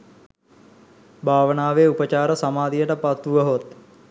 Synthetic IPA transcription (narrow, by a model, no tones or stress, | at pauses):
bʱaːʋənaːʋeːupət͡ʃaːɾəsamaːd̪ijəʈəpat̪uʋəɦot̪